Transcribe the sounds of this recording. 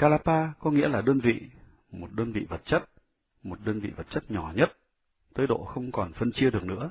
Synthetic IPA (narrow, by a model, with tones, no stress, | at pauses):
kaː˧laː˧paː˧kɔ˨˦ŋḭ˧˥əlaː˨˩ɗəː˧nvḭ˧˨ | mo˨˩t̚ɗəː˧nvḭ˧˨və˨˩t̚t͡ɕə˦˥t̚ | mo˨˩t̚ɗəː˧nvḭ˧˨və˨˩t̚t͡ɕə˦˥t̚ɲɔ˧˩ɲə˦˥t̚ | t̪əː˨˦jɗo̰˧˨xə˧wŋ͡mkɔ˨˩nfə˧nt͡ɕi˧əɗɨ˨˩ək̚nɨ̰˧˥ə